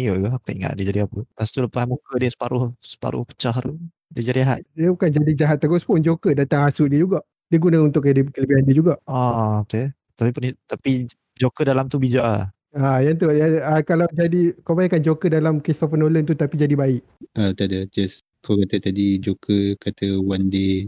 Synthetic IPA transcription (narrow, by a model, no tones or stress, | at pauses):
ijəɡak̚t̪aʔiŋa̰ʔ̚diəd͡ʒadiapəpast̪uləpasmukədiəsə̥paɾʊhsə̥pa̰ɾʊ̰hpə̥t͡ʃaɦɾu | diəd͡ʒadiɦa̰ʔ̪̚diəbukand͡ʒadid͡ʒaɦat̪̚ːaɡɔspʊnd͡ʒokədat̪aŋasʊʔdiəd͡ʒuɡaʔ | diəɡunəunt̪ʊʔkdikələbiɦandiəd͡ʒuɡaʔaoke | t̪apipunt̪api | d͡ʒokədalamt̪ubid͡ʒaʔa | ajant̪ujaəkalawd͡ʒadikawbaiʔkːand͡ʒokədalamkisɔfənolənt̪ut̪apid͡ʒadibaɪʔ | at̪adad͡ʒas | kawkat̪ət̪adid͡ʒokəkat̪əwandi